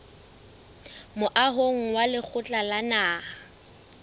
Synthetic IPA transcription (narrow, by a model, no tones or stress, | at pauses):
mʊʔaɦoŋ̩walɪk͡xʰʊt͡ɬʼalanaː